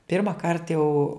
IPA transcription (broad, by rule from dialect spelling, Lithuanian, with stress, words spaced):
pʲɪrmɐˈkɐrt jɛʊ